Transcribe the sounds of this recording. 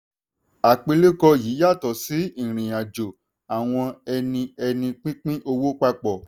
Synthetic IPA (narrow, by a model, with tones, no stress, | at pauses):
a˨k͡pe˧le˦kɔ˧jiː˨˦ja˦˨tɔ˨si˨˦ĩ˦˨ɾ̃ĩ˨j̃ã˨d͡ʒo˨ | a˨w̃ɔ̃˧ɛ˧nĩ˧ɛ˧nĩ˧k͡pĩ˦k͡pĩ˦ʔo˧wo˦k͡pa˧k͡pɔ˨